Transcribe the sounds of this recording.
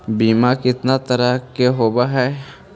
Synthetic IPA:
biːmakɪt̪nat̪ɐɾakeɦoːbaɦɛː

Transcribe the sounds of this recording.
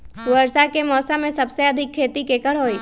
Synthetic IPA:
ʋəɾsakemɔːsamẽsəbseəd̪ʱɪkʰːeːt̪ikekəɭɦoːi

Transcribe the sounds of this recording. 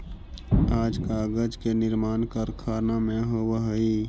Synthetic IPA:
aːd͡ʒkaɡəd͡ʒkenɪɾmaːnkəɾkʰaːnamẽɦowəɦəi

